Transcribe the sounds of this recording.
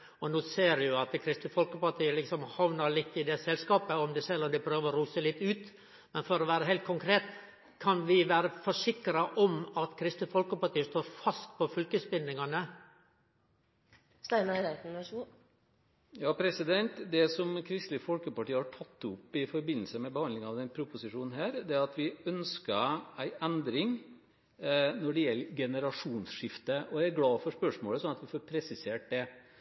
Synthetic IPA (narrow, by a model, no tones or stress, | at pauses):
ɔnoːseːɾjʊɑt̪kʰɾɪst̪əfɔlkəpɑʈʰiːəlɪksɔmhɑʋnəɾɭɪt̪ːɪd̪ɛsɛlskɑːpəɔmd̪ɛsɛlːɔmd̪ɪpʰɾøːʋəɾɔɾuːsəlɪt̪ːʉːt̪ | mɛnfɔɾɔʋæːɾəɦɛɪlt̪̚kʰʊŋkʰɾeːt̪ | kʰɑnʋɪʋæːɾəfɔʂɪkːɾɑʔɔmɑt̪kʰɾɪst̪əfɔlkəpɑʈiːəʂt̪oːɾfɑst̪̚pʰɔfʏlkəsbɪnd̪ɪŋɑnə | st̪æmæɾæt̪ːʂu | jɑːpʰɾɛsɪd̪ɛnt̪d̪ɛsɔmkʰɾɪst̪lɪfɔlkəpɑʈiːəhɑʈʰɑt̪ːʊpːɪfɔɾbɪnːlsəmɛbəhɑnd̪lɪŋɑʋd̪ɛnpʰɾʊpʊsɪʂuːnn̩ɦæːɾd̪ɛɾɑt̪ʋɪœnskəæɪʔɛnd̪ɾɪŋ | nɔɖɛjɛlːɡɛnəɾɑʂuːnsʂɪft̪əɔjææɾɡlɑːfɔʂpœʂmoːləsɔnɑt̪ʋɪfɔːɾpʰɾɛsɪseːʈ̚d̪ɛ